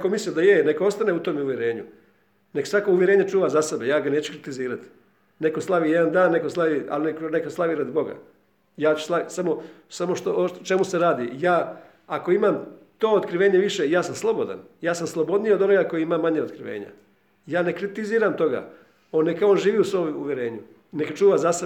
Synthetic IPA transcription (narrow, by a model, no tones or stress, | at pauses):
komisliod̪ajenekoost̪aneut̪o̞ːmuʋjeɾe̞ːɲu | ne̞ksʋakouʋjeɾe̞ɲet͡ʃuːʋazase̞bejaːɡaneːt͡ɕu̥kɾit̪iziːɾat̪i̥ | ne̞koslˠaʋiːjed̪and̪aːnːe̞koslˠaʋia̰lnekonekoslˠaʋiɾad̪ibo̞ɡa̰ | jaːt͡ʃu̥slasamo̞samoʃt̪oot͡ʃe̞muse̞ɾaːd̪ijaː | ako̞imaːmt̪o̞ːot̪kɾiʋe̞ːɲeʋiʃejaːsamslˠo̞bod̪a̰njaːsamslˠo̞bo̞d̪nijod̪onoɡako̞jiimaːmːaɲeot̪kɾiʋḛːɲa̰ | jaːne̞kɾit̪iziːɾamt̪o̞ɡa̰ː | onːekaooːnʒiːʋiːusʋoːmuʋjeɾe̞ːɲu | nekat͡ʃuːʋazase